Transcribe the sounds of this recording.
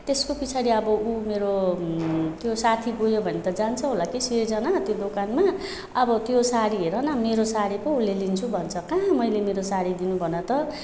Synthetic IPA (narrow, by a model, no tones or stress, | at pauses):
t̪eskopit͡sʰaɽiʌbʌumeɾo | t̪josat̪ʰibojobʱʌnet̪ʌd͡zant͡sʰʌɦolakised͡zʌnat̪jod̪okanma | ʌbʌt̪josaɽiɦeɾʌnʌmeɾosaɽipʌulːelint͡sʰubʱʌnt͡sʰʌkãmʌjlemeɾosaɽid̪inubʱʌnʌt̪ʌ